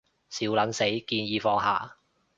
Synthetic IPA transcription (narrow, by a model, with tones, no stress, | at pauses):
siː˨˥wlɐ˨˥nse˨˥jkiː˧njiː˨˧fɔː˧ŋɦa̰ː˨˩